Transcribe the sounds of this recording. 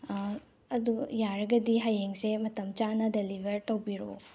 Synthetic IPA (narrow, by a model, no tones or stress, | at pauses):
ɐd̪ujaɾɐɡɐdiɦajeŋsemɐt̪ʰɐmt͡ʃanɐdelibʱɐɾtɐwbiɾo̰